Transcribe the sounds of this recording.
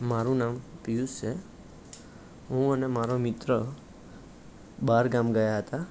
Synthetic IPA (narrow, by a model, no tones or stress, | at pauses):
maɾũnampijust͡ʃʰe | ɦũənemaɾomɪt̪ɾə | baɾɡamɡəjaɦət̪a